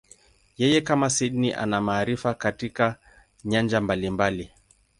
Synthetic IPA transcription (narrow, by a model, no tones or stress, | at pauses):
jɛjɛkamasiɗniʔa̰namaːɾifakatika | ɲand͡ʒambalimbali